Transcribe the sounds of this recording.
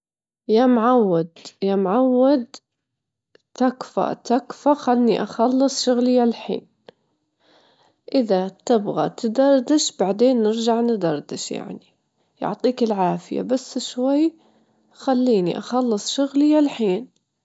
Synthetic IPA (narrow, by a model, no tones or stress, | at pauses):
jamʕawːad̪jamʕawːad̪ | t̪akfa̰t̪akfaxalniʔɑxɑlːɨsˤʃʊɣlɪjːalħḭːn | ʔɪðat̪ɪbɣat̪ɪd̪ɑɾˤd̪ɪʃbaʕd̪eːnːɪɾd͡ʒaʕnɪd̪ɑɾˤd̪ɪʃja̰ʕni | jʊ̰ʕt̪ˤiːkɪlʕaːfɪja̰basːʃwajː | xalːiːnḭʔɑxɑlːɨsˤʃʊɣlɪjalħiːn